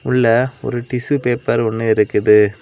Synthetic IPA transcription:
ʊɭːɐɔ̰ɾɯʈɪsɯpeːpːɐɾɔnːɯɪɾɯkːɯðɯ

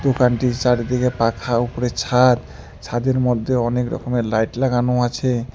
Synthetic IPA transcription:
d̪okanʈit͡ʃaɽed̪ikepakʰaupɔɾet͡ɕʰad̪ | t͡ɕʰad̪eɾmɔd̪ʱːeɔnekɾɔ̰komelajʈlaɡanoat͡ɕʰe

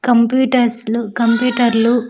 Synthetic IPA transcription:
kɐmpjuːʈɐɾslukɐmpjuːʈɐɾlu

